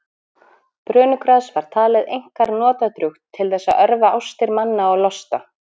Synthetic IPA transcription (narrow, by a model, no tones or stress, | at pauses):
pɾœːnʏkɾaðsvaɾ̥t̪ʰaːlɪðejŋ̥kaɾnɔːt̪at̪ɾʏxt̪ʰːɪlθɛsːaœɾvaʔawst̪ɪɾmanːaɔɣlɔst̪a